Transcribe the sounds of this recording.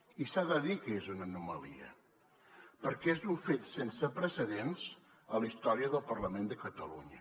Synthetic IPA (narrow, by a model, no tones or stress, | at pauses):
isaðəðikəezunənuməliə̰ | pəɾkɛezuɱfet̪sensəpɾəsəðenz | əlist̪ɔɾiəðəlˠpərləmend̪əkət̪əlṵɲə